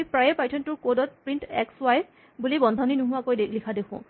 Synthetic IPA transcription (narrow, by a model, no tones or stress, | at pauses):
ipɹajɛpajtʰɔntʊɹkodɔt̚pɹintɛ̰kswaj | bulibɔndʱaninuɦʊwakojlikʰadekʰʊ̰̃